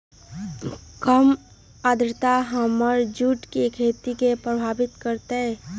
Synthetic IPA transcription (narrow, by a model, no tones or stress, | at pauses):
kəm | aːd̪ɾt̪aɦəməɾd͡ʒuʈkekʰeːt̪ikepɾəbʱaːbɪt̪kəɾt̪eɛ